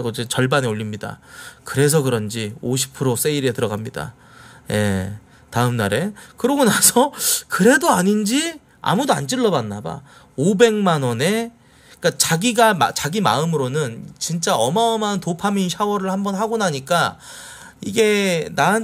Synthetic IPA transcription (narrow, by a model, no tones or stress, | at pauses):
ɡod͡ʑet͡ɕʌɭbaneoʎːimɲida̰kɯɾe̞s̬ʰʌkɯɾʌnd͡ʑioɕʰi̥pʰɯɾos͈e̞iɾe̞tɯɾʌɡamɲida̰ | je̞̰ | taɯmnaɾe̞kɯɾʌɡonasʰʌkɯɾe̞doaɲind͡ʑi | a̰mudoa̰nt͡ɕ͈ɯɭːʌbanːaba̰ | obe̞ŋmanʌne̞ | k͈at͡ɕaɡiɡama̰t͡ɕaɡima̰ɯmɯɾonɯnt͡ɕint͡ɕ͈aʌmaʌmantopʰaminɕʰawʌɾɯɭhambʌnɦaɡonaɲik͈a | iɡe̞na